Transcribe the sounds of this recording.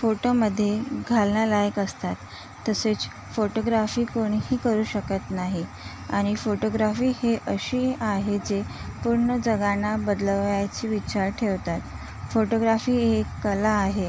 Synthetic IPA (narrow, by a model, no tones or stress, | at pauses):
foʈoməd̪ʱːjeɡʱalnjalajəkəst̪at̪ː | əset͡s | foʈoɡɾafiːkoɽ̃ɦiːkəɾuːɕəkət̪naɦi | a̰ɽ̃ifoʈoɡɾafiːheʔəɕiːaɦed͡ze | puɾɳəd͡zəɡanabəd̪ləʋjat͡ɕiːʋit͡ɕaɾʈʰeʋt̪at̪ | foʈoɡɾafiːekːəlaːɦe